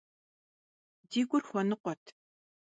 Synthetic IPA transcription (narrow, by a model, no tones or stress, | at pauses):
diːɡʷʼʊrxʷɔnɨqʷɔtʰ